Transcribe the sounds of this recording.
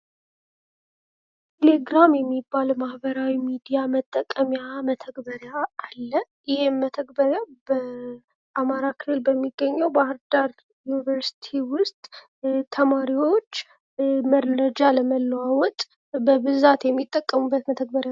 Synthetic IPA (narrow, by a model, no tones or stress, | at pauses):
t̪ʰeleɡɾamjɛmːibːalmahbəɾawimid̪ijamət̪ʼːəkʼːəmjamət̪ʰəɡbəɾjaːlːə | jɪhɪmmːət̪ʰəɡbəɾjabə | ʔamaɾakʰɨlɨlbəmːiɡːəɲːɛwbahɨɾd̪aɾ | junivəɾsi̥t̪ʰiwʊst̪ʼ | t̪ʰəmaɾiwo̞t͡ʃː | məɾəd͡ʒaləməlːəwawɔt̪ʼ | bəbɨzat̪jɛmːit̪ʼːəkʼːəmubːət̪mət̪ʰəɡ̚bəɾja